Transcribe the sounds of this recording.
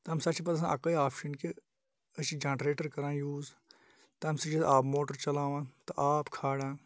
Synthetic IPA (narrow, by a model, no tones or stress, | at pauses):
t̪ɐɐmsɐt͡ʃipɐt̪s̬ãʔɐkɐjaːpʰʃənke | ɐt͡ʃid͡ʒãːʈɾeːʈəɾkɐɾãːjuːz | t̪ɐɐmsɐt͡ʃɐʔaːpmoːʈəɾt͡ʃɐlaːʋãːt̪ɐʔaːpkʰaːɽãː